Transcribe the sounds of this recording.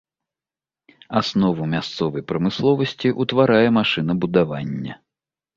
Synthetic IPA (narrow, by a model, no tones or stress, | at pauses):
asnɔvɐmʲast̪sɔvɐjpɾɐmɨslˠɔvɐsʲt͡sʲiʔut̪vaɾajɛmaʂɨn̪ɐbud̪avanʲːɐ̰